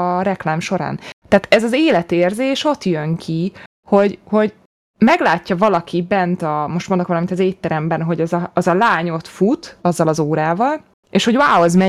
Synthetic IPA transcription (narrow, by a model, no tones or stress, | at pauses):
ɾɛklaːmʃo̞ɾa̰ːnt̪aːt̪ɛzɒzeːlɛt̪eːrzeːʃo̞t̪jøŋkʰi | ho̞ɟho̞ɟ | mɛɡlaːcːɒvɒlɒkibɛnt̪ɒmo̞ʃt̪mond̪okʋɒlɒmint̪ɒzeːt̪ːɛɾɛmbɛnɦo̞ɟɛzɒːzɒlaːɲo̞t̪fut̪ɒzːɒlɒzoːɾaːvɒl | eːʃho̞ɟwaːozmɛ